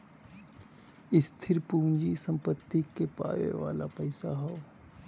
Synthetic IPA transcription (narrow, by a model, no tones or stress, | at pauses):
ɪst̪ʰɪɾpuːɲd͡ʒisə̃mpət̪ːikepa̰ːʋḛʋa̰ːlapəjsaɦoo